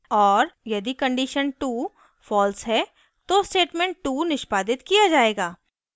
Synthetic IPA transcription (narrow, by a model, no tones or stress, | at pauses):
ɔːɾjɐd̪ikɐ̃ɳɖiʃənʈuː | fɔːlsɦɛ | t̪osʈeːʈmẽːɳʈʈuːnɪʃpaːd̪ɪt̪kijad͡ʒaːeːɡaː